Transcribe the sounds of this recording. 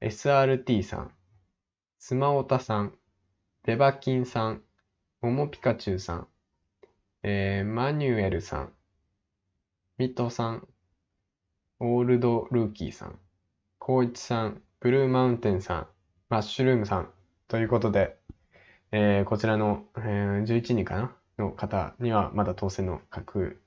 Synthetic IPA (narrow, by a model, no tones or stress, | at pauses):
e̞̰sɨaːɾɯ̟t̪ʲiːsã̰ŋ | sɨmaot̪asãɴ | b̥e̞bakʲĩɰ̃sãŋ | o̞mo̞pʲi̥kat͡ɕɨːsã̰ŋ | eːmaɲ̟ɨe̞ɾɯ̟sã̰ŋ | mʲit̪o̞sãŋ | o̞ːɾɯ̟d̪o̞ɾɯ̟ːkʲḭːsã̰ŋ | kʰo̞ːit͡si̥sãŋb̥ɯ̟ɾɯ̟ːmãɯ̟̃nt̪ẽ̞ɰ̃sã̰ŋ | maɕɨɾɯ̟ːmɯ̟sãn | t̪o̞jɯ̟ːko̞t̪o̞d̪e̞ | eːko̞t͡ɕiɾano̞d͡ʑɨːit͡ɕiɲ̟ĩŋkana | no̞kat̪a̰ɲ̟iβamat̪at̪o̞ːsẽ̞nːo̞̰kʰakʰɯ̟